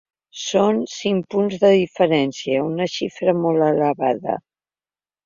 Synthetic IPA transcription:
sonsiŋpunzðəðifəɾɛnsiəunəʃifɾəmolˠələβaðə̰

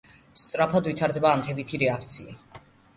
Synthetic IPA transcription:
st̪sʼɾapʰad̪vit̪ʰaɾd̪ɛbaːmt̪ʰɛbit̪ʰiɾɛakʰt̪sʰia̰

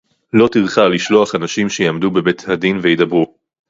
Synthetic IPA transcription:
lo̞t̪iʁχaliʃlo̞aχanaʃimʃejiamdube̞bet̪hadinvejidɐbʁu

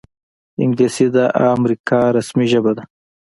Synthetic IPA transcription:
ɪ̰ŋɡlesid̪aʔaːmɾikaɾasmiʒəbad̪a

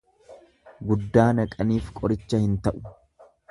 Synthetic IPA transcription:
ɡʊd̪ːaːnɐkʼɐniːfkʼɔɾɪt͡ʃːɐhɪnt̪ɐʔʊ̥

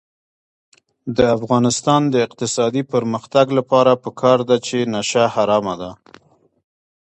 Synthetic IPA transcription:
d̪əafɣɑnɪst̪ɑnd̪əɪq̚t̪ɪsɑd̪ipəɾməxt̪aɡlapɑɾapəkʰɑɾd̪at͡ʃenaʃahaɾɑmad̪a

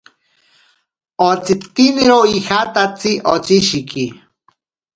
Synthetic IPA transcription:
ot͡sit̪iniɾoihat̪at͡siʔot͡siʃiki

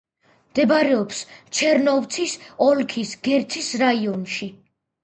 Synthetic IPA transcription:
md̪̥ɛbɾɛɔpst͡ʃʰɛɾnɔvt̪sʰisɔlkʰisɡɛɾt̪sʰisɾaiɔnʃi

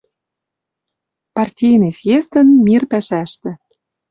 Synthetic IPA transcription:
pɑrtʲijnesjest̪ə̆nmʲirpæʃæʃt̪ĕ

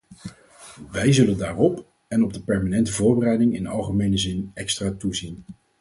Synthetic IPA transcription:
ʋɛjzɵləndaːrɔp | ɛnɔb̚dəpɛɹmanɛntəvʊːɹbərɛjdɪŋɪnɑ̰lˠχəmejnəzɪnɛkstraːtuzin

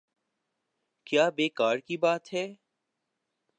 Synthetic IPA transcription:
kjaːbeːkaːɾkibaːt̪ɦɛː

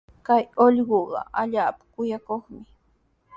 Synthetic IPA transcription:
kajoʎɢoɢɑ̰aʎaːpḁkʊjakoχmɪ

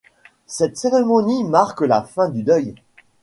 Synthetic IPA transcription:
sɛt̪seʁemɔnimaʁklafɛ̃d̪yd̪œj

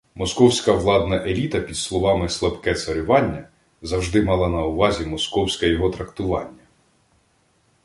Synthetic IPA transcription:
mɔskɔwsʲkɐʋlˠɑd̪nɐʔelʲit̪ɐpʲid̪slˠɔʋɑmɪslˠɐbkɛt̪sɐɾʲʊʋɑnʲːɐ | zɐwʒd̪ɪmɑlˠɑnɐʊʋɑzʲimɔskɔwsʲkɛjɔɦɔt̪ɾɐkt̪ʊʋɑnʲːɐ

